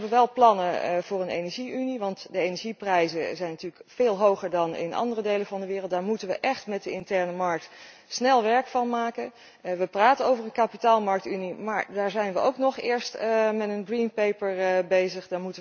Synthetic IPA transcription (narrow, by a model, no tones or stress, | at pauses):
bʋəʋɛlˠplɑnəvʊːɹənḛjnɛɹʒiʔyniʋɑntdəejnɛɹʒiprɛjzəzɛjnɑtyːɹləkfeːlˠɦowχəɹdɑnɪ̰nɑ̰ndərədejləvɑndəʋɪːrəlˠt̚daːɹmutənʋəʔɛχtmɛt̚dəɪntɛɹnəmɑɹk̚t | snɛlˠʋɛɹkfɑnmaːkən | ʋəpraːtənowvərənkapitaːlˠmɑɹk̚tynimaːɹdaːɹzɛjnʋəʔowknɔχɪːɹstmɛtənɡrinpejpəɹbejzəχdaːɹmutə